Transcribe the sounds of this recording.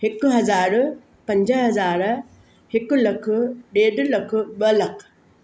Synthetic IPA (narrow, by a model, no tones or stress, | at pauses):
hɪkʊɦɐzaːɾ | pɐ̃ɲd͡ʑəɦɐzaːɾ | hɪkʊlɐkʰʊ̆ɗeːɖlɐkʰʊ̆ɓɐlɐkʰ